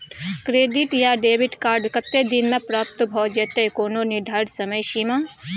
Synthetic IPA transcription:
kɾeːɖɪʈjaɖeːbɪʈkaːɾɖkət̪ːed̪ɪnmẽpɾaːp̚t̪bʱɔːd͡ʒet̪ekoːnonɪd̪ʱaːɾɖsɐməjʃima

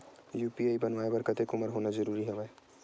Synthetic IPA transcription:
jupiajbʌnwaebaɾkʌt̪ʰekuməɾɦonad͡ʒʌɾuɾiɦebaj

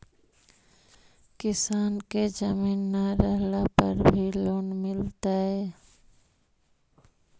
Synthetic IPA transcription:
kɪsaːnked͡ʒəmiːnːaɾəɦlapə̰ɾbʱiloːnmɪlt̪aɦɛː

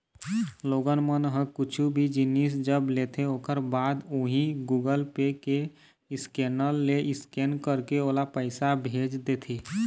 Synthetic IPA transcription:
loːɡənmənɦə̃kʊt͡ʃʰubʱid͡ʒinis̬d͡ʒəblet̪ʰeoːkəɾbaːd̪oɦĩɡuːɡəlpeke | ɪskenəlːeʔɪskenkəɾkeoːlapəɪsabʱeːd͡ʒd̪et̪ʰiː

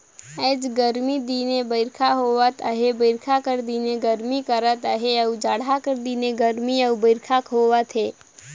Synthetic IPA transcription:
ɛd͡ʒɡəɾmid̪iːnebəɪɾkʰaɦowət̪əɦebəɪɾkʰakəɾd̪iːneɡəɾmikəɾət̪əɦeəud͡ʒaːɽakəɾd̪iːneɡəɾmiəubəɪɾkʰakɦoːwət̪ɦeː

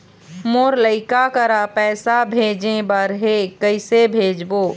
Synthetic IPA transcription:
moɾləɪkakəɾapɛːsabʱeːd͡ʒẽbəɾɦekəɪsebʱeːd͡ʒbo

